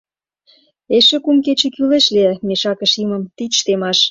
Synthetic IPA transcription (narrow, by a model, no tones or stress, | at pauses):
eʃĕkumket͡ɕĕkyleʃlemeʃɑkə̆ʃimə̆mt̪iʃt̪emɑʃ